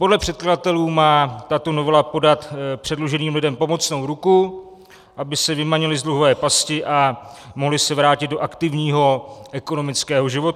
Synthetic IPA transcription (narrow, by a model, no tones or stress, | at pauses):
po̞dlɛpr̥ɛt̪̚kladat̪ɛluːmaːt̪at̪o̞novɛlapo̞dat̪pr̝̥ɛdloʒɛniːmlɪdɛmpo̞mo̞t͡snowɾuku | ʔabɪsɛvɪmaɲɛlɪzdluɦovɛːpascɪʔamoɦlɪsɛvɾaːcɪd̪̚doʔakt̪ɪvɲiːɦo̞ʔɛko̞no̞mɪt͡skɛːɦo̞ʒɪvo̞t̪